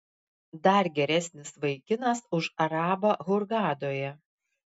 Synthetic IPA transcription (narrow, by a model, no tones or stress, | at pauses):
d̪ɐɾɡʲɛɾʲɛsʲnʲɪsʋɐɪkʲɪnɐsʊʃɐɾɑːbɐɣʊɾɡɑːd̪oːjɛ